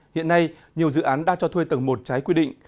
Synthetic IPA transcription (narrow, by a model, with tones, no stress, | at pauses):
hḭ˧˨ənːa˧j | ɲi˨˩əwzɨ̰˧˨ʔaː˨˦nɗa̰ː˧˥ŋt͡ɕɔ˧t̪ʰwe˧jt̪ə˨˩ŋmo˨˩t̚t͡ɕaː˨˦jkwi˧ɗḭ˧˨ŋ̟